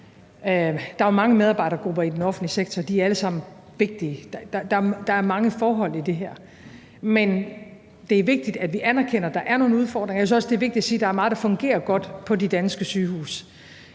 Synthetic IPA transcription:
d̥ɑ̈æɐmɑ̈ŋəmeð̞ˠɑ̈ːbɑ̈ɪ̰ɾɐɡ̥ʁub̥ɐid̥enɒ̽fn̩dliseɡ̥̚t͡sʰɒd̥iæɐæləsɑ̈m̰n̩ | ʋe̝ɡ̥̚d̥iəd̥d̥ɑd̥ɑ̈ɐd̥ɑ̈æɐmɑ̈ŋəfɒːɦɒ̽l̰id̥e̝ɦæɐ̰ | men | d̥e̝æɐʋe̝ɡ̥̚d̥id̥æd̥ʋiʔænæɐkʰen̰ɐd̥ɑ̈ʔæɐno̝ːn̩uð̞ˠfɒ̰ːd̥ʁeŋɐjsɒ̽sd̥e̝ɐʋɡ̚d̥i̥dæsiːd̥ɑ̈æɐmɑ̈ːð̩ˠd̥ɑ̈fɔ̽ŋɡ̥e̝̰ːɐɡ̥ɒ̽d̥pʰɒ̽ded̥ænsɡ̥əsyːhṵːs

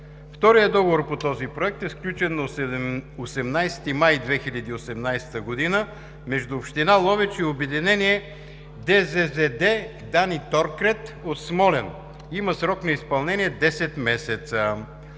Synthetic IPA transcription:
ft̪ɔɾijəd̪ɔɡovoɾpot̪ɔzipɾoɛk̚t̪ɛsklʲut͡ʃɛnːɐ | osɛmnajsɛ̥t̪imajd̪vɛxiʎʲɐd̪iːosɛmnajsɛ̥t̪əɡod̪inə | mɛʒd̪uːpʃt̪inalˠɔvɛt͡ʃiobɛd̪inɛniɛ | d̪ɛzɛzɛd̪ɛ | d̪anit̪ɔɾkɾɛt̪ot̪smɔlɛn | iməsɾɔknɐispɐlˠnɛniɛd̪ɛsɛt̪mɛsɛt̪sə

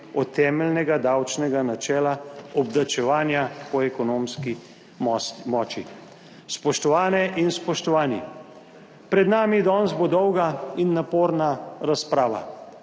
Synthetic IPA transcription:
ɔt̪ʰːɛːmɛlnɛɡad̪awt͡ʃnɛɡanat͡ʃɛːlaɔbd̪at͡ʃɛʋaːnjapɔɛkɔnoːmski | mɔːt͡ʃi | spɔʃt̪ɔʋaːnɛʔinspɔʃt̪ɔʋaːni | pɾɛd̪naːmid̪ɔːnzbod̪ɔwɡainːapoːɾnaɾaspɾaːʋa̰

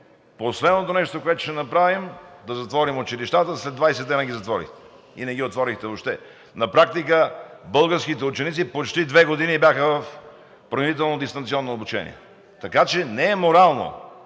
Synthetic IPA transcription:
poslɛd̪not̪onɛʃt̪okoɛt̪ʊ̥ʃɛnɐpɾavimd̪ɐzɐt̪vɔɾimʊt͡ʃiliʃt̪at̪əslɛd̪vajsɛd̪ːɛnɐɡʲizɐt̪vɔɾḭxt̪ɛ̥ | ḭnɛɡʲiot̪vɔɾixt̪ɛvoʃt̪ɛ | nɐpɾak̚t̪ikəbɤlˠɡəɾskit̪ɛʊt͡ʃɛnit̪sipot͡ʃt̪id̪vɛɡod̪inibʲjaxəvɐf | pɾovit̪ɛlˠnod̪ist̪ɐnt̪siɔnːoobut͡ʃɛ̰nḭɛ̰ | t̪ɐkat͡ʃɛnɛːmoɾalˠno̰

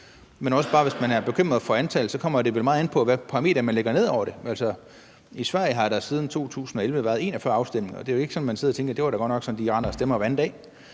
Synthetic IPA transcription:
menɒ̽səb̥ɑ̈ːʋe̝smænæɐb̥e̝kʰøm̰ʁɐð̩ˠfɒ̽ænt͡sʰɛ̰ːlð̩sɒ̽kʰɒ̽m̰ɐd̥e̝ʋelmɑ̈ːð̩ˠen̩pʰɒ̽ʋæpʰɑ̈ʁːme̝̰ːd̥ɐmænleɡ̥ɐne̝ð̞̰ˠɒʊ̰ɐɾ̥e̝ælsɒ | isʋæɐ̰jəɦɑ̈ɾ̥ɑ̈siːð̞ˠn̩t͡sʰo̝̰ːt͡sʰṵːsn̩ɒ̽elʋəʋæɐð̞̩ˠe̝nɒfɶɐɑ̈ʊsd̥em̰le̝ŋɒ̽d̥e̝æjoe̝ɡ̥əsɒ̽nmænseð̰ˠɐt͡sʰeŋɡ̥ɐd̥e̝ʋɑ̈ɾɑɡ̥ɒ̽d̥nɒ̽ɡ̥sɒ̽nd̥iʁɑnɐsd̥emɐʋænd̥ɛ̰ː

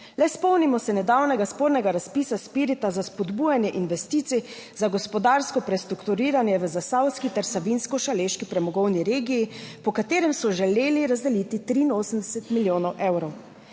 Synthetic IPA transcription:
lɛspɔwnimɔsɛnɛd̪awnɛɡaspoːɾnɛɡaɾaspiːsaspiːɾit̪azaspɔd̪buːjanjɛʔinʋɛst̪iːt̪sizaɡɔspɔd̪aːɾskɔpɾɛst̪ɾukt̪uɾiːɾanjɛʋəzasawskit̪ɛɾsabinskɔʃaleʃkipɾɛmɔɡɔwniɾeːɡijipɔkat̪eːɾɛmsɔʒɛleːliɾazd̪ɛlit̪it̪ɾiːnoːsəmd̪ɛsɛt̪miljoːnɔwʔewɾɔw

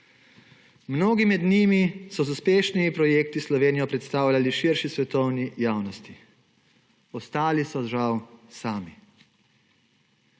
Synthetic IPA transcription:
mnoːɡimɛd̪niːmisɔzuspeːʃnimipɾɔjeːkt̪islɔʋeːnijɔpɾɛt̪st̪aːwlʲjaliʃiɾʃisʋɛt̪ɔwnijaːwnɔst̪i | ɔst̪aːlisɔʒawsaːmi

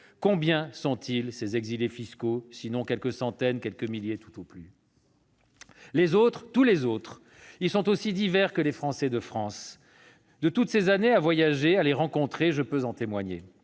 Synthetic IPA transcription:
kɔ̃bjɛ̃sɔ̃t̪ilsezɛɡzilefiskosinɔ̃kʲɛlkəsɑ̃t̪ɛnkʲɛlkəmiljet̪u̥t̪oply | lezot̪χt̪ulezot̪χ | ilsɔ̃t̪osid̪ivɛʁkəlefχɑ̃sɛd̪əfχɑ̃s | d̪ət̪ut̪sezaneavwajaʒealeʁɑ̃kɔ̃t̪χeʒəpøzɑ̃t̪emwaɲḛ

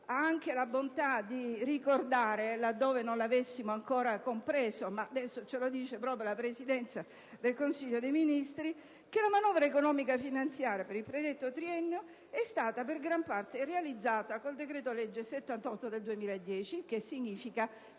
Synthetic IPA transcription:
aaŋkelabont̪ad̪irikord̪aːɾelad̪ːoːvenonlavesːimoaŋkoːɾakompɾeːzomaːd̪ɛsːot͡ʃelod̪iːt͡ʃepɾɔːpɾjolapɾesid̪ɛnt̪sa | d̪elkonsiʎːod̪ejminist̪ɾi | k̟elamanɔvɾaekonɔːmikafinant̪sjaːɾjapeɾilpɾed̪et̪ːot̪ɾiɛnːeo | ɛst̪aːt̪aperɡɾampart̪erealid̪zːaːt̪akold̪ekɾeːt̪oled͡ʒːeset̪ːant̪ɔt̪ːod̪eld̪uemiːlaed̪ːjɛːt͡ʃikesːiɲːiːfika

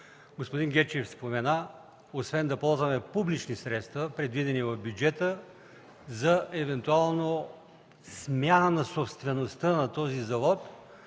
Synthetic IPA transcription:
ɡospod̪iŋɡʲɛt͡ʃɛfspomɛna | osvɛnd̪ɐpɔlˠzvɐmɛpublit͡ʃnisɾɛt̪st̪vəpɾɛd̪vid̪ɛnivɐvbjud͡ʒɛt̪ə | zɐɛvɛnt̪ualˠno | smʲjanənɐsopst̪vɛnost̪ənɐt̪ɔzizɐvɔt̪

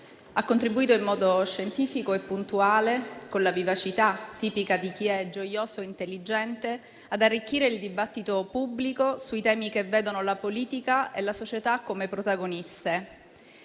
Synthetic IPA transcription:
akːont̪ɾibuiːt̪oimːɔːd̪oʃːent̪iːfikoepːunt̪uaːlekonlavivat͡ʃit̪at̪ːiːpikad̪ik̟iɛd͡ʒojoːsoint̪elːid͡ʒɛnt̪e | ad̪arːik̟ːiːɾeild̪ibat̪ːit̪opubːlikosuit̪ɛːmikeveːd̪onolapoliːt̪ikaelasot͡ʃet̪akːomepɾot̪aɡonist̪e

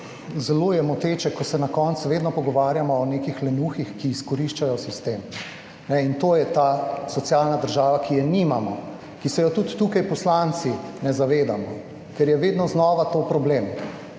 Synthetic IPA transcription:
zɛlojɛmɔt̪eːt͡ʃɛkɔsɛnakɔntsʋeːd̪nɔpɔɡɔʋaːɾjamɔːnekixlɛnuxixkiːskɔɾiʃt͡ʃajɔsist̪em | nɛint̪oːjɛt̪asɔt̪sjalnad̪əɾʒaːʋakijɛnimamɔ | kisɛjɔt̪ut̪ːukajpɔslant̪sinɛzaʋeːd̪amɔ | kɛɾjɛʋeːd̪nɔznɔːʋat̪opɾɔbleːm

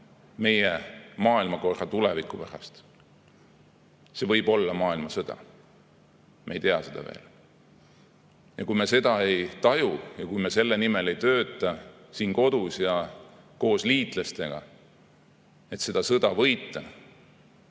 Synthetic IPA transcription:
me̞jemɑːilmɑko̞rːɑt̪ulevikːˑupæɾɑ̰st̪ | se̞vɤ̞jbo̞lːɑmɑːilmɑsɤd̪̥ɑ̰ | mʔeejt̪e̞ɑse̞d̪ɑ̰vḛːl | jɑ̰kujmese̞d̪̥ɑe̞jt̪ɑjujɑkujmese̞lːe̞nime̞le̞jt̪ø̞ːt̪ːˑɑ | siːnko̞d̪̥usjɑ | ko̞ːsliːt̪ˑlest̪e̞ɡ̥ɑ̰ | e̞t̪se̞d̪̥ɑsɤd̪ɑvɤ̞jt̪ːˑɑ

